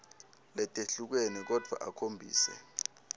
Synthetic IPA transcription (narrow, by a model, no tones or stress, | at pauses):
lɛtʼeɬuk̬wenik̬ɔd̥ʱwa̰ʔakʰombʱḭːsɛ̰